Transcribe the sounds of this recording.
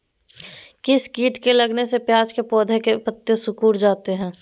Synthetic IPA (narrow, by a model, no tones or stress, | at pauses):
kɪskiːʈkelɐɡnesepjaːd͡ʒkepɔːd̪ʱekepət̪ːjəsʊkuːɾd͡ʒaːt̪eɦɛ̃ː